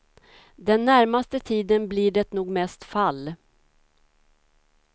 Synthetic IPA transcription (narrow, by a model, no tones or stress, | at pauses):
d̪ɛnːæɾmast̪ət̪ʰiːd̪ənbliɖɛt̪nuːɡmɛst̪falː